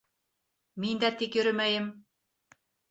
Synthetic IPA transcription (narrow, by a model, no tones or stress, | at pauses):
mind̪æt̪ikjɵ̆ɾɘmæjɘm